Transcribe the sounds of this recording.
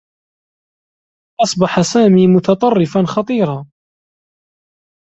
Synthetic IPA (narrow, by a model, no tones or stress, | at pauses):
ʔɑsˤbɑħasaːmiːmʊt̪ɑt̪ˤɑrˤːɪfanxɑt̪ˤiːɾɑː